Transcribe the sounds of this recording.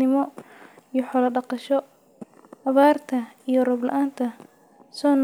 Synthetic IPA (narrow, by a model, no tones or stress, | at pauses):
ɪmɔijɔħɔlɐɖɑqɑʃɔ | ɐβaːrt̪ʰɐijɔrɐblɐ̰ʔaːnt̪ʰɐ | sɔːn